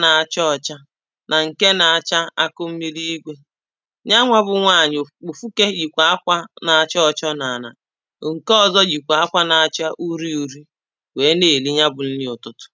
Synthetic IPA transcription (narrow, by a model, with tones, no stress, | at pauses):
na˨a˨t͡ʃɔ˦ɔ˨t͡ʃa˦ | nʔa˨ŋ̩˨ke˦na˨a˨t͡ʃa˦a˦kʊ˦m̩˦mi˦li˦i˦ɡʷe˦ | ɲa˦ŋʷa˦bʊ˨ŋʷa˦˨ɲɪ˨o˨fu˦ke˦ɡi˨kʷa˨a˦kʷa˦na˨a˨t͡ʃɔ˦ɔ˦˨t͡ʃɔ˦na˨na̰˨ | ŋ̩˨kɔ˦˨zɔ˦ɡi˨kʷa˨a˦kʷa˦na˨a˨t͡ʃa˦ʔu˦ɾi˦u˨ɾi˦ | we˨˦ne˨li˦ɲa˦bʊ˨n̩˦lɪ˦ʊ˨tʊ˦tʊ̥˨